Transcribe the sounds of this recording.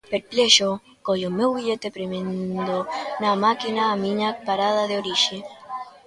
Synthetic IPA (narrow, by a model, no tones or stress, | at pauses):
peɾpleʃo | koʎomewβiʎet̪epɾemẽnd̪onamakinaːmiɲapaɾað̞aðeoɾiʃe